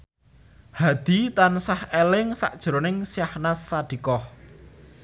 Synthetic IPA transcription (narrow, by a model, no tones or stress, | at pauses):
had̪̥i̤t̪ansahelɪŋsa̰ʔd̥ʒ̥ɾonɪŋsjahnasːaɖ̪̥i̤kɔh